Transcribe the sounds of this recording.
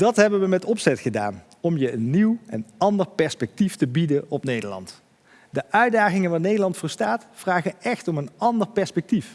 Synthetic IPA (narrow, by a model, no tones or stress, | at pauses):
d̥ɑtɦɛbəʋəmɛtɔpsɛtχəda̰ːn | ɔmjəənːiwɛnɑndəɹpɛɹspɛk̚tiftəbidəɔpnejdəɹlɑ̰nt | dəʔœɥdaːχɪŋənʋaːɹnejdəlɑntfʊːɹstaːtfraːχəɛχtɔmənɑndəɹpɛɹspɛk̚tif